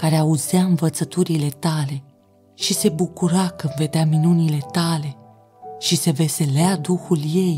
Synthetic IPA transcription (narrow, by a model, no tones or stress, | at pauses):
kaɾeauzeaɨnvət̪sət̪uɾile̞t̪ale̞ | ʃise̞bukuɾakɨnve̞d̪eaminunile̞t̪ale̞ | ʃise̞ve̞se̞lead̪uxulje̞j